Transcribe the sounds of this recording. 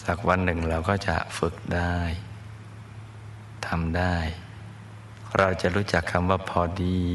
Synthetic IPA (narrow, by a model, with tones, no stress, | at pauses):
t͡ɕa˨˩k̚wa˧nːɯ˨˩ŋɾa˧wkɔː˥˩t͡ɕa̰˨˩fɯ˨˩k̚daː˥˩j | t̪ʰa˧mdaː˥˩j | ɾʔa˧wt͡ɕa˨˩ʔɾuː˦˥t͡ɕa˨˩kʰːa˧mwaː˥˩pʰɔː˧diː˧